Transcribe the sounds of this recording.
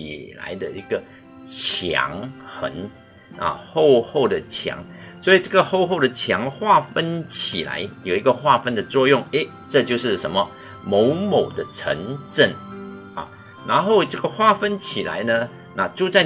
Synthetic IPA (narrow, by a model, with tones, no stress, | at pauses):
i˨˩la̰˧˥ɪd̪ə˧i˧˥ɡ̥ə˨ | t͡ɕʰjɑ̰˧˥ŋxə̰˧˥n | ʔɐ̰˨xo˥˧ʊxo˥˩ʊd̪ə˩t͡ɕʰjɑ̰˧˥˦ŋswɔ˧˥i˨˩ʈ͡ʂɤ˥˩ɡə˩xo˥˧ʊxo˥˩ʊd̪ə˩t͡ɕʰjɑ˧˥ŋxwa˥˩fə˥nt͡ɕʰḭ˨˩la̰˧˥ɪjo˨˩ʊi˧˥ɡə˧xwa˥˧fə˥nd̪ə˨t͡swɔ˥˧jʊ˥˩ŋe˥˦ | ʈ͡ʂɤ˥˧t͡ɕjo˥˧ʊʂɻ̩˥˩ʂə̰˧˥nmə˧ | mo˧˥ʊmo˨˩ʊd̪ə˦ʈ͡ʂʰə̰˧˥ŋʈ͡ʂə˥˩n | ɐ˨˩ | na˧˥nxo˥˧ʊʈ͡ʂɤ˥˩ɡə˩xwa˥˩fə˥nt͡ɕʰi˨˩la̰˧˥ɪnə˧ | na˥˧ʈ͡ʂu˥˧t͡sa˥˩ɪ